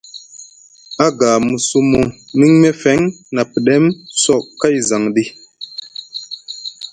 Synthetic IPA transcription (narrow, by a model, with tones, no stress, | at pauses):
a˦ɡaː˨mu˨su˦mo˦ni˦ŋme˦fɛ˨˦ŋna˨pi˨ɗɛ˦msɔ˦˨ʔkːa˦jza˨ŋɗi˦